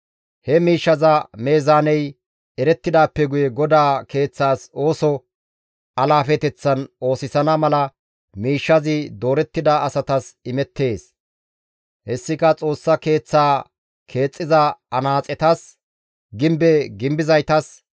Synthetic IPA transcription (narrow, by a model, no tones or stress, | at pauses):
hɛmiːʃːɐzɐme̞ːzaːnɛj | ɛɾɛt̪ːɪd̪aːpːɛɡʊjɛɡɔd̪aːke̞ːt͡sːaːso̞ːsɔ | ɐlaːfɛt̪ɛt͡sːɐno̞ːsɪsɐnɐmɐlɐ | miːʃːɐzɪd̪o̞ːɾɛt̪ːɪd̪aɐsɐt̪ɐsɪmɛt̪ːe̞ːs | hɛsːɪkɐt͡sʼo̞ːsːɐke̞ːt͡sːaː | kʰe̞ːt͡sʼːɪzɐɐnaːt͡sʼɛt̪ɐs | ɡɪmbɛɡɪmbɪzɐjt̪ɐs